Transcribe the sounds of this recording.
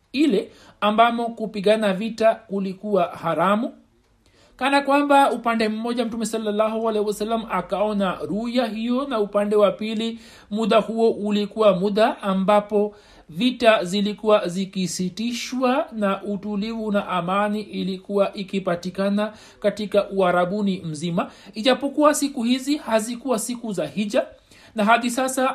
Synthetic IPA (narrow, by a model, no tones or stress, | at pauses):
ilɛ | ambamɔkupiɠanavitakulikuwahaɾamu | kanakwambaupandɛm̩mɔʄam̩tumɛsɔlːalːahɔalɛhiwasalːamakaɔnaɾujahijɔnaupandɛwapili | muɗahuɔʔulikuwamuɗaːmbapɔ | vitazilikuwazikisitiʃwanaʔutulivunaʔamaniʔilikuwaʔikipatikana | katikaʔuaɾaɓunim̩zimaiʄapɔkuwasikuhizihazikuwasikuzahiʄa | naɦaðisasa